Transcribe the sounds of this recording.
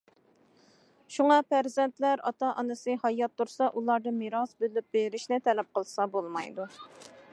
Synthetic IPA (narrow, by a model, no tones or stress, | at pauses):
ʃuŋɑpʰæɾzɛnt̪læɾɑt̪ɑʔɑnɨsɨhɑjɑt̪ːuɾsɑʔulˠɑɾd̪ɨmiɾɑsbølyp̚beɾɪʃnɪt̪ʰɛlɛp̚qʰəlˠsɑbolˠmɑ̰jd̪u